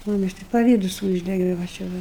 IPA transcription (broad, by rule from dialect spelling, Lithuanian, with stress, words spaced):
mʊˈmʲɪs tɐɪ pɐˈʋʲiːdʊs ˈuːʒʲdʲɛɡʲɛ ʋɐ t͡ʃʲɛ ˈʋɐ